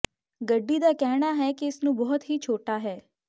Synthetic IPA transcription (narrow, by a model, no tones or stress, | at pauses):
ɡəɖːid̪akɛɦɽ̃aɦɛkeɪsnũbɔɦʊt̪ɦit͡ʃʰoːʈaɦɛː